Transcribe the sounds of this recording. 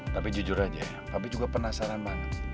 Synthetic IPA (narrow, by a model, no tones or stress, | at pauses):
t̪apid͡ʒud͡ʒʊɾad͡ʒa̰japabid͡ʒuɡapərnasaɾanmana